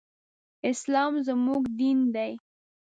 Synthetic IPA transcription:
ɪslɑmzəmuɡd̪ind̪aj

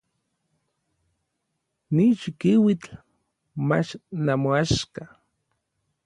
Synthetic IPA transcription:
nit͡ʃikiwit͡ɬ | mat͡ʃnamoaʃka

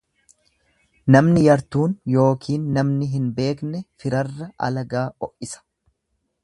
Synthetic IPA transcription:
nɐmnɪjɐɾt̪uːnjo̞ːkʰiːnːɐmnɪɦɪnbe̞ːknɛfɪɾɐrːɐʔɐ̰lɐɡaːɔʔɪsɐ̥

